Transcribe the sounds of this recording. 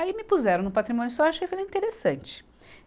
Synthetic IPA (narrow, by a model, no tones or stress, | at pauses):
aimɪpuzɛɾɐ̃w̪̃ʊpat̪ɾimõnʊsɔaʃʊekjfelɐĩt̪eɾesɐ̃nt͡ʃɪ̥